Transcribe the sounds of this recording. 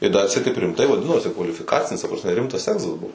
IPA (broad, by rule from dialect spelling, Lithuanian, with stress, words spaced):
ɪ dɐ ɐtʲˈsʲɛɪt tɐɪp rʲɪmˈtɐɪ ʋɐˈdʲɪnoːsʲɪ kʋɐlʲɪfʲɪˈkɑːt͡sʲɪnʲɪs tɐ prɐsʲˈmʲɛ ˈrʲɪmtɐs ˈæːɡzɐs ˈbuɔ